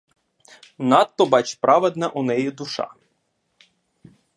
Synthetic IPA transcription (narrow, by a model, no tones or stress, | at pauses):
nɑt̪ːɔbɑt͡ʃpɾɑʋɛd̪nɐʔunɛjid̪ʊʃɑ̰